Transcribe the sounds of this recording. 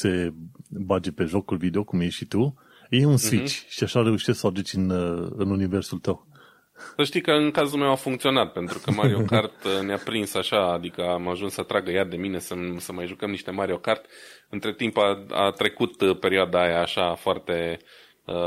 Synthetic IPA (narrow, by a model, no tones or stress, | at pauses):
se̞bad͡ʒepe̞ʒo̞kulvid̪eo̞kumjeʃʃit̪u | jeunsvit͡ʃʲʃiaʃareuʃest̪səad̪ut͡ʃʲɨnɨnunive̞rsult̪əw | səʃt̪ijkəɨnkazulmewafuŋkt̪sio̞nat̪̚pe̞nt̪ɾukəmaɾiokart̪neapɾinsaʃaːd̪ikəamaʒunsət̪ɾaɡəjad̪e̞mine̞səmsəmajʒukəmniʃt̪e̞maɾio̞kart̪ʲɨnt̪ɾe̞t̪impaa̰t̪ɾe̞kut̪pe̞ɾioad̪aajaːʃafoart̪e̞ | ə